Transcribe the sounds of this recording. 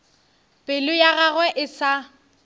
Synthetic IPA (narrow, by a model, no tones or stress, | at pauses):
pʼɪlʊjaɣaɣwɛʔɪsa